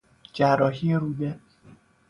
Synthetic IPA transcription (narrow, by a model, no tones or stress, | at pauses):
d͡ʒærːɒːɦieɾuːd̪e